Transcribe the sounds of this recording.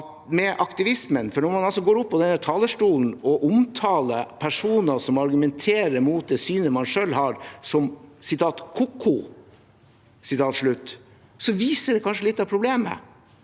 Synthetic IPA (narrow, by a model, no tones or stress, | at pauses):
ɑt̪mɛʔɑkt̪ɪʋɪsmənfɔɳɔɾmɑnɑlsɔɡoːɾʊpːɔd̪ɛnːæt̪ʰɑːləʂʈuːln̩ɔʔʊmt̪ʰɑːləpʰæʂuːnəsɔmɑɾɡʉmɛnt̪ʰeːɾəɾmuːt̪̚d̪ɛːsyːnəmɑnʂøːlhɑɾsɔmsɪt̪ʰɑːt̪kʰʊkʰːʊ | sɪt̪ʰɑːt̪ʂɭʉt̪ː | sɔʋiːsəɖɛkʰɑnʂəlɪt̪ːɑʋpʰɾʊbleːmə̰